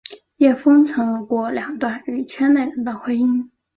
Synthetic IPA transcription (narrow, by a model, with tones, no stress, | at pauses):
jɛ˥˩fɤ˥ŋt͡sʰɤ˧˥ŋlkwɔ˥˩ljɑ˨˩ŋt̪wa˥˩ny˨˩t͡ɕʰɥɛ˥ne˥˩ɪɻə˨˧˥nd̪ə˧˩xwe˥ɪi˥ŋ